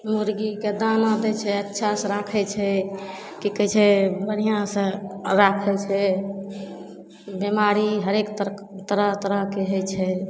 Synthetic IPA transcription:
muɾɡiked̪anad̪ɛt͡ʃʰɛətːʃʰasə̃ɾakʰɛt͡ʃʰɛ | kikəjt͡ʃʰɛbənijãsə̃ɾakʰɛt͡ʃʰɛ | bemaɾiɦəɾekt̪t̪əɾəɦt̪əɾəɦkeɦəjt͡ʃʰɛ

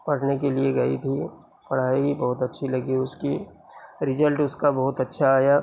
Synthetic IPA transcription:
pɐɽnekelieɡɐḭt̪ʰi | pɐɽ̤aːiɦibɐɦʊt̪ɐtːʃʰilɐɡiʊski | ɾɪzəlʈʊskabɐɦʊt̪ɐtːʃʰaːjaː

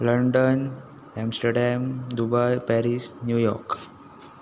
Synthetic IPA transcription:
ləɳɖən | ɛmsʈəɾɖɛmd̪ubajpɛɾisnjujɔ̰ɾk

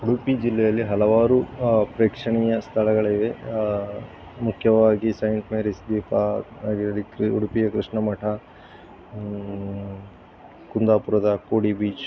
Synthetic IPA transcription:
uɽupid͡ʒilːɛjɐlːiɦɐlɐʋaːɾupɾeːkʂɐɳijɐst̪ʰɐlɐɡɐɭɐiʋe | mukʰjɐʋaːɡisɐjɳʈmeːɾisd̪iːpaːɡiɾɐɾikɾuɽupijɐkɾiʂɳɐmɐʈʰɐ | kund̪aːpuɾɐd̪ɐkoːɽibiːt͡ʃ

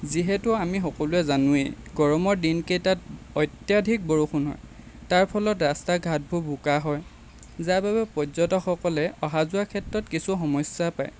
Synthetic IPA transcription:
ziɦɛtʊamixɔkɔluɛzanʊḛjɡɔɹɔmɔɹdinkejtat | ɔjtjadʱik̚bɔɹoxʰunɦɔ̰j | taɹpʰɔlɔtɹastaɡʱat̚bʱubʱukaɦɔj | zababɛpɔzɔtɔxɔkɔlɛɔɦazʊakʰɛtɹɔtkisuxɔmɔsapa̰j

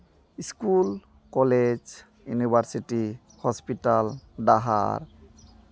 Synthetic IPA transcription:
iskul | kɔled͡ʒ | junibʱaɾsiʈi | hɔspiʈalɖaɦa̰ɾ

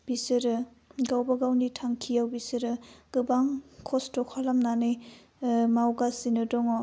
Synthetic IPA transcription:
b̥isɯɾɯ | ɡawbaɡawnitʰaŋkʰijawbisɯɾɯɡ̥ɯbaŋkʰɔstɔkʰalamnanɯj | mawɡasinɯdɔŋɔ

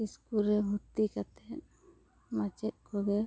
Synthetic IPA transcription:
iskuɾɛɦut̪ːikat̪ɛt̪ | mat͡ʃɛt̪̚ˀkʰɔɡɛ

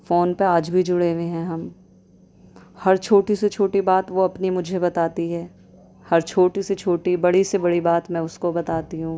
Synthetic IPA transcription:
foːnpeaːd͡ʒbʱid͡ʒʊɽeʋẽɦɛ̃ɦɐm | hɐɾt͡ʃʰoːʈiset͡ʃʰoːʈibaːt̪ʋoɐpnimʊd͡ʒʱebɐt̪aːt̪iɦɛː | hɐɾt͡ʃʰoːʈiset͡ʃʰoːʈibɐɽisebɐɽibaːt̪mɛ̃ːʊskobɐt̪aːt̪iɦũː

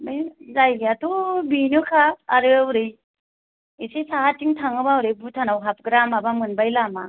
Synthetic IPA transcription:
mijzajɡiatʰubinɯkʰaːɾɯawɾɯj | isesaɦatiŋtʰaŋɯbawɾɯjbutʰanawɦap̚ɡɾamabamɯnbajlama

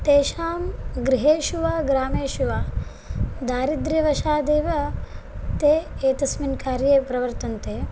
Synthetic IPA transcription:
t̪eːʃaːmɡɾiɦeːʃuʋaːɡɾaːmeːʃuʋaː | d̪aːɾid̪ɾiʋɐʃaːd̪eːʋɐ | t̪eːeːt̪ɐsminkaːɾjeːpɾɐʋɐɾt̪ɐnt̪eː

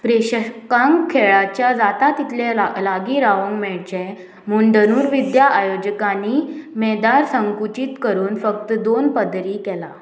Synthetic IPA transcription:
pɾeɕəkãŋkkʰːeɭat͡ɕjad͡zat̪at̪it̪ʰlealaɡiɾaʋə̃ŋɡmɛɭt͡ɕẽ | m̤uɳɖənuːɾʋid̪jaʔajod͡ʑəkanimɛd̪aɾsəŋkut͡ɕit̪kəɾuːnfək̚t̪d̪onpəd̪ɾiːkɛla

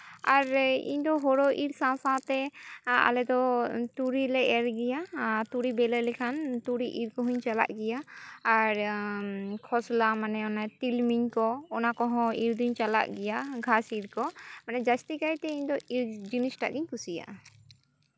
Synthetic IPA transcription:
aɾḭɲd̪ɔɦɔɽɔʔiɾsãsãt̪ɛa̰lɛd̪ɔt̪uɾilɛʔɛɾɡɛjat̪uɾibɛlɛlɛkʰant̪uɽiʔiɾkɔɦuɲt͡ʃala̰ʔɡɛjaː | ɾ | kʰɔslamanɛɔnat̪ilmiɲkɔːnakɔɦɔ̃iɾd̪uɲt͡ʃala̰ʔɡɛjaɡʱasiɾkɔmanɛd͡ʒast̪ikajt̪ɛiɲd̪ɔiɾd͡ʒinisʈa̰ʔɡiɲkusija̰ʔa

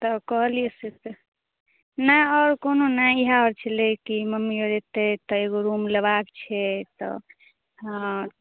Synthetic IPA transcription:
t̪ɔkɔɦlijesese | naɔɾkononaiɦaɔɾt͡ʃʰɛlekiməmioɾet̪et̪ɔeɡoɾumleβakt͡ʃʰɛt̪ɔ̰ | ã

